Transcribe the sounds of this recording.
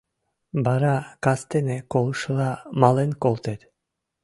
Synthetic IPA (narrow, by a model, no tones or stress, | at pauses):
bɑɾɑkast̪enekolˠʃlˠɑmɑlˠenkolˠt̪et̪